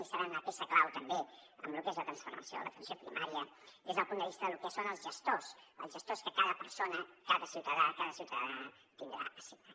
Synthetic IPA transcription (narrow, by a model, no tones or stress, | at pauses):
isəɾannəpesəklawt̪əmbeə̰mlukezlət̪ɾənsfṵrmə̰sio̰ðə̰lə̰t̪ənsiopɾḭmʔaɾiə | ezðəlˠpund̪əβist̪əðəlukəsonəlˠzʒəst̪osə̰lˠzʒəst̪oskəkaðəpəɾsonəkaðəsiwt̪əðakaðəsiwt̪əða | t̪ind̪ɾa̰əsia